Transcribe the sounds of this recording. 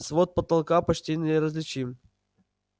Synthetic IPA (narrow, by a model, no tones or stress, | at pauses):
svot̪̚pət̪ɐlˠkapɐt͡ɕʲtʲinʲɪɾəzʲlʲɪt͡ɕim